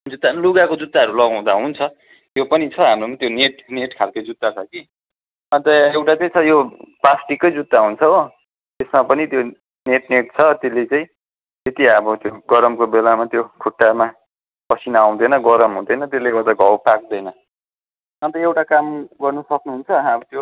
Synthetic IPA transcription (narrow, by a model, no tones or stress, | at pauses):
d͡zud̪anluɡakod͡zud̪ːaʌɾulʌɡãw̃d̪aɦunt͡sʰʌ | jopʌnit͡sʰʌɦamɾomat̪joneʈneʈkʰalkʌjd͡zud̪ːat͡sʰʌki | ʌnt̪ʌewʈat͡saj̃t͡sʰʌjoplasʈikːʌjd͡zut̪ːaɦunt͡sʰʌo | t̪esmapʌnit̪jo | neʈneʈ̚t͡sʰʌt̪elːet͡saĩ | t̪et̪iʌbʌt̪joɡʌɾʌmkobelamat̪jokʰuʈːama | pʌsʰinaw̃d̪ʌjnʌɡʌɾʌmɦũd̪ʌjnʌt̪elːeɡat̪ʌɡʱʌwpak̚d̪ʌjnʌ | ʌnt̪ʌewʈakamɡʌrnusʌknuɦunt͡sʰʌɦãʌbʌt̪jo